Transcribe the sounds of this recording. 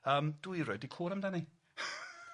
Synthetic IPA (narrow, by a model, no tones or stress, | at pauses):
əːmd̥wiɾoɨdikʰuːɾamdani